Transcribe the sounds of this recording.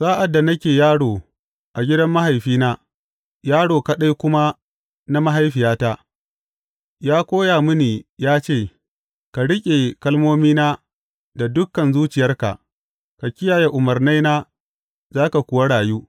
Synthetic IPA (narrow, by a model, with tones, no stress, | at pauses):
saː˦ʔa˨dːa˨nɐ˦kʲeː˨jaː˦ɽoː˨ | ʔa˨ɡʲɪ˦dɐ˦mːa˦ha˨jɸiː˦naː˦ | jaː˦ɽoː˨kɐ˦ɗa˦jkʷʊ˦ma˦ | na˦ma˦ɦa˦jɸɪ˨jaː˦ta˦ | jaː˦kʷoː˦jaː˨mʊ˦niː˨jaː˦t͡ʃeː˦˨ | ka˨ɽɪ˦kʲʼe˨kɐ˦lmoː˦miː˦naː˦ | da˨dʊ˦kːɐ˨nzuː˦t͡ʃɪ˨jɐ˦rka̰˨ʔ | ka˨kʲɪ˦jaː˨je˦ʔʊ˨mɐ˨rna˦jnaː˦ | zaː˦ka˨kʷʊ˨wa˦ɽaː˨juː˦